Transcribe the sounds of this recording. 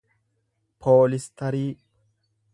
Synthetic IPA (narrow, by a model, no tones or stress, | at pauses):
pʰoːlɪst̪ʰɐɾiː